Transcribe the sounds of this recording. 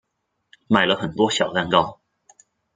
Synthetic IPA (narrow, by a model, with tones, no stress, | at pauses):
ma˨˩ɪlə˦xə˨˩nt̪wɔ˥ɕjɑ˨˩ʊt̪a˥˧nkɑ˥˩ʊ